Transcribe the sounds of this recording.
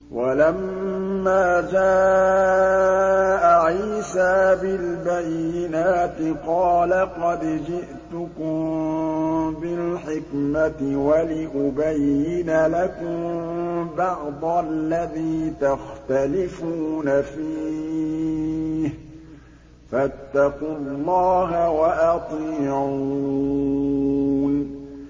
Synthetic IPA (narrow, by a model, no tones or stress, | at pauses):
wʔalamː | aːd͡ʒaː | ʔaʕiːsaːbɪlbajːɪnaːt̪ɪqɑːlaqɑd̪d͡ʒɪʔt̪ʊkʊm | bɪlħɪkmat̪ɪwalɪʔʊbajːɪnalakʊmbɑʕd̪ˤɑlːaðiːt̪axt̪alɪfuːnafiː | h | fat̪ːɑqʊlːɑːɦawaʔɑt̪ˤiːʕu | n